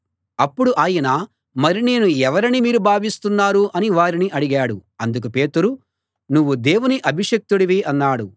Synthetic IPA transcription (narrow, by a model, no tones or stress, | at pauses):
ɐpːuɽuʔaːjɐnaː | mɐɾine̞ːnuɛʋɐɾinimiːɾubʱaːʋist̪unːaːɾuʔɐniʋaːɾiniʔɐɽiɡaːɽuɐnd̪uk̬upe̞ːt̪uɾu | nuʋːud̪eːwuniʔɐbʱiʂek̚t̪uɽɐʋiːɐnːaːɽu